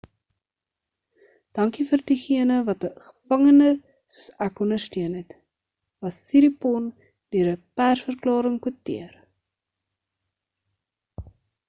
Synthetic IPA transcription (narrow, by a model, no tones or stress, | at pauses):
d̥ɐŋkifəːrdiχiənəvɐtəχə̥fɐŋənə | suəsækɔnərstiənɦɛt | vɐsːiɾipɔn | d̥øəɾəpærsfərklɑːɾəŋkuətḭər